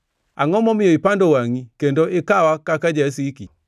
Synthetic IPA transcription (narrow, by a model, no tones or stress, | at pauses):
aŋɔmɔmiɔipandɔwaŋikɛndɔʔekawakakad͡ʒas̬iki